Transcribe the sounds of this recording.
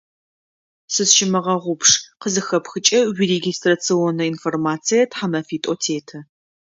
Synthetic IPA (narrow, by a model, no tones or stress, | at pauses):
sɨsʃɪmɨʁɐʁʷʊpʂqəzɨxɐpxɨt͡ʃʼɐwireɡʲistrɐt͡sʰionɐinformaːt͡sʰijɐtħamɐfiːtʼotʰeːtʰɐ